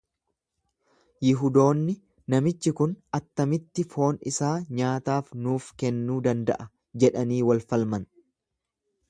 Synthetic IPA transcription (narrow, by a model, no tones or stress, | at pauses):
jɪɦʊd̪o̞ːnːɪ | nɐmɪt͡ʃːɪkʊnɐt̪ːɐmɪt̪ːɪfo̞ːnɪsaːɲaːt̪aːfnuːfkɛnːuːd̪ɐnd̪ɐ̰ʔɐ | d͡ʒɛᶑɐniːwɐlfɐlmɐn